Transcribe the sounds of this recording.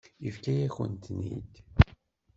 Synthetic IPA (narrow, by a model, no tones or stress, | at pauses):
ifkæjæçə̰nt̪nḭd̪